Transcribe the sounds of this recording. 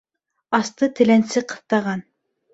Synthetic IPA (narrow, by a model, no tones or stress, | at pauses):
ɑst̪ɤt̪ʰɘ̆lænsɘqɤ̥̆θt̪ɑʁɑn